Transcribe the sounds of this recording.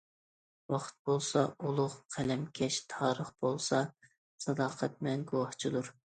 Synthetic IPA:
wɑχʰt̪̚bolˠsɑʔulˠʊʁqʰælɛmkʲʰɛʃt̪ʰɑːɾəχbolˠsɑ | sɑd̪ɑːqʰɛt̪̚mɛŋɡowɑχt͡ʃʰid̪uɾ

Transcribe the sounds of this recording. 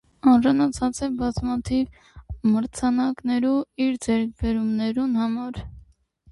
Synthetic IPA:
ɑnʒɑnɑt͡sʰɑt͡sɛbɑzmɑt̪ʰiv | məɾt͡sʰɑnɑknɛɾuiɾd͡zɛɾk̚ʰbɛɾumnɛɾunhɑmɑɾ

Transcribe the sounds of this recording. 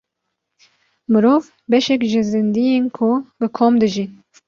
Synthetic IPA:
mɨɾoːv | bɛʃɛkʒɨzɨnd̪ijeːnkʰubɨkʰomd̪ɨʒin

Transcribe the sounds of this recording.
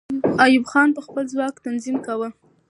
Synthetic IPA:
ajubxɑnpəxpəlzwɑkt̪anzimkawə

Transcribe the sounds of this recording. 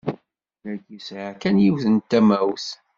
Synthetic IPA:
ɾæɡisɾakænjiwθənt̪ːæmæwθ

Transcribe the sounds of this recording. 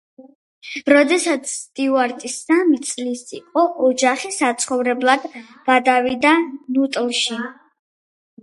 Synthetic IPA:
ɾɔd̪ɛsat̪sʰt̪ʼiuaɾt̪ʼisamit̪sʼlisḭqʼɔʔɔd͡ʒaχisat̪sʰχɔvɾɛblˠad̪ | b̥ad̪avid̪anut̪ʼlˠʃi

